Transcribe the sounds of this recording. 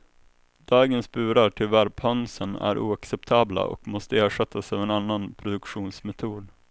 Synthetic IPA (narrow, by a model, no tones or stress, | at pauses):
d̪̥ɑːɡənspʉ̟ːɾaʈʰɪvæɾpʰhœnsənæ̰ɾʔṵːaksɛpt̪ʰɑːbla̰ʔɔ̰kmɔst̪əeːʂɛt̪ʰːasɑːvɛnanːanpʰɾʊd̪ɵkɧuːnsmɛt̪ʰuːd̪